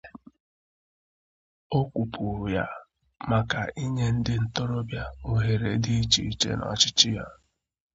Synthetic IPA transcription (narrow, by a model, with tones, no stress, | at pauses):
o˦kʷu˨pu˨ɾu˨ja˦ | ma˨ka˨ʔi˦ɲe˦n̩˦dɪ˦n̩˦to˦ɾo˦bja˦o˦ɦe˨ɾe˨di˦i˦t͡ʃi˨i˦˨t͡ʃḛ˦nɔ̰˨t͡ʃɪ˦t͡ʃɪ˦ja˦